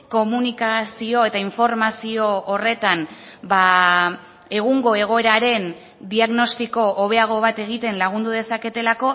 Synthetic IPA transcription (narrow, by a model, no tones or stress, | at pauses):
ko̞munikasio̞e̞t̪aiɱfo̞ɾmasio̞ːre̞t̪anba | e̞ɣ̞uŋɡo̞e̞ɣ̞o̞e̞ɾaɾe̞n | d̪iaɣno̞st̪iko̞ʔoβ̞e̞aɣ̞o̞β̞at̪e̞ɣ̞it̪e̞nlaɣ̞und̪uðe̞sake̞t̪e̞lako̞